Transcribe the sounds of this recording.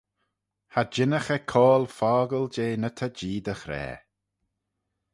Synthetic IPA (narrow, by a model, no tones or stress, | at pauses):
had͡ʒɪnəxɛkʰɔːlfɔːɡəld͡ʒeːnət̪ʰəd͡ʒiːd̪əxɾɛ̰ː